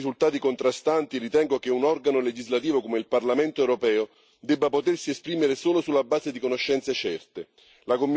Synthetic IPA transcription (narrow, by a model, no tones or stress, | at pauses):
izult̪aːt̪ikont̪ɾast̪ant̪irit̪ɛŋɡok̟eunɔrɡanoled͡ʒizlat̪iːvokomeilparlament̪oɛwɾopɛːo | d̪ɛbːapot̪ersiespɾiːmeɾesoːlosulːabːaːzed̪ikonoʃːɛnt̪set͡ʃɛrt̪e | lakomː